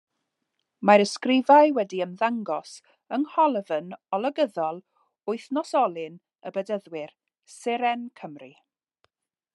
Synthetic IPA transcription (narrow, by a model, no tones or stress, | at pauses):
maɾəskrɪvajwɛdiəmðaŋɡɔs | əŋhɔlˠəvənɔlˠəɡəðɔlˠ | ʊɨθnɔsɔlˠɪn | əbədəðwɪr | sɛɾɛnkʰəmri